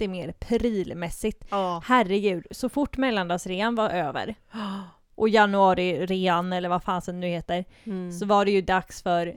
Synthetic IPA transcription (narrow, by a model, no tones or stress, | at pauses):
t̪ɪmeːɾpʰɾiːlmɛsːɪɡt̪ːhærɛɡʉ̟ːd̪sɔfʊʈːmɛlːand̪ɑːsɾeːanvaɾʔøːvə̰ɾ | ʔɔjanʊɑːɾɪɾeːanɛlːəɾvafaːnsɛnd̪ɵheːt̪əɾsɔvaɖɛjɵd̪aksfœɾ